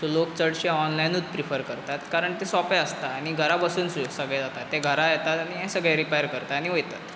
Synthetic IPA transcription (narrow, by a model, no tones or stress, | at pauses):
solokt͡səɽɕeɔnlajnuːt̪pɾifəɾkəɾt̪at̪kaɾəɳt̪esɔpeəst̪aːɽ̃iɡʱəɾabəsuːnsusəɡɭed͡zat̪at̪ːeɡʱəɾajɛt̪at̪añiɦɛ̃səɡɭeɾipajəɾkəɾt̪aːñiʋojt̪at